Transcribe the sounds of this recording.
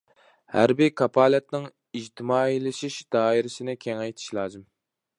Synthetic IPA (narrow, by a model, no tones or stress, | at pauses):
hæ̰ɾbikʰɑpʰɑːlˠɛt̪nɪŋ | id͡ʒt̪ʰɪmɑːilɪʃiʃd̪̥ɑːiɾɪsɪnɪkʲʰɛŋɑjt̪ʰi̥ʃlˠɑːzɨm